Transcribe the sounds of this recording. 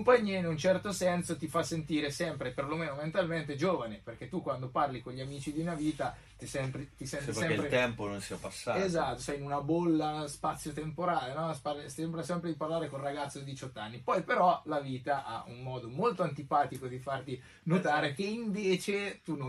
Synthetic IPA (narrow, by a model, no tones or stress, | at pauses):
mpaɲːiainunt͡ʃɛrt̪osɛnsot̪ifasːent̪iːɾesɛmpɾeperlomeːnoment̪alment̪ed͡ʒoːvaneperk̟et̪ːukwand̪oparlikonʎiamiːt͡ʃid̪iunaviːt̪a | t̪isɛmpɾit̪isɛnt̪esɛmepɾet̪ɛmpononsiapasːa̰ezat̪ːosɛjinunabolːaspat̪sːjot̪empoɾaːlenɔspasembɾasɛmpɾed̪iparlaːɾekonraɡat̪sːod̪id̪it͡ʃɔt̪ːanːipɔjpeɾɔlaviːt̪aʔa̰ʔṵnmɔːd̪omolt̪oant̪ipaːt̪ikod̪ifart̪i | not̪aːɾek̟eiɱveːt͡ʃet̪un